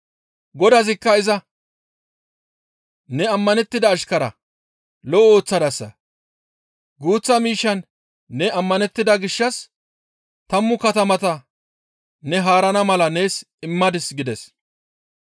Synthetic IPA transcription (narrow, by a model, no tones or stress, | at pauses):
ɡɔd̪ɐzɪkːɐɪzɐ | nɛɐmːɐnɛt̪ːɪd̪ɐːʃkɐɾɐ̰ | lɔʔo̞ːt͡sːɐd̪ɐsːɐ̰ | ɡuːt͡sːɐmiːʃːɐnː | ɛɐmːɐnɛt̪ːɪd̪ɐɡɪʃːɐs | t̪ɐmːʊkɐt̪ɐmɐt̪ɐ | nɛɦaːɾɐnɐmɐlɐne̞ːs | ɪmːɐd̪ɪsɡɪd̪ɛs